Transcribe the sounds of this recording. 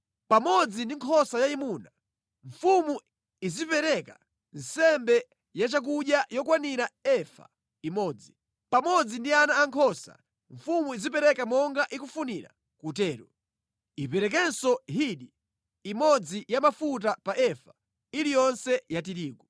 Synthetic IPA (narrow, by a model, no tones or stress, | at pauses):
pamɔd͡zindiŋkʰɔsajaimuna | ɱfumu | izipɛɾɛka | n̩sɛmbɛ | jat͡ʃak̬uɗjajɔkwaniɾaɛfa̰ | imɔːd͡zi | pamɔd͡zindianaːŋkʰɔsa̰ | ɱfumuizip̬ɛɾɛkamɔŋɡaʔikufuniɾa̰ | kut̬ɛːɾṵ | ipɛɾɛk̬ɛnsɔɦiɗiː | mɔd͡zijamafut̬apaʔɛfa | ilijɔnsɛjatiɾiːɡwɔ